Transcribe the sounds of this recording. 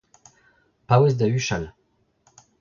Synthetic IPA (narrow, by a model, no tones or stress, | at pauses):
pawɛs̬d̪ayʃal